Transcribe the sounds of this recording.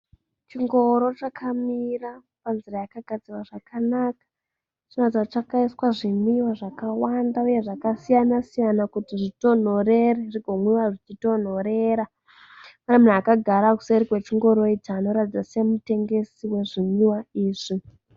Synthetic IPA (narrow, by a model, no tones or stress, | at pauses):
t͡ʃiŋɡo̞ɾo̞t͡ʃakʰamira | panzirajakaɡʱad͡ziwaʐakʰanakḁ | t͡ʃinotid͡zat͡ʃakaiswaʐimiwaʐakawandauje̞ʐakasijanasijanakutiʐito̞n̤o̞re̞reriɡʱo̞ŋwiwaʐit͡ʃito̞n̤o̞ɾe̞ɾa | panemun̤akaɡʱaɾaku̥seɾikwe̞t͡ʃiŋɡo̞ɾo̞itaːno̞ɾatid͡zase̞mute̞ŋɡe̞siwe̞ʐimiwaiːʐ̥i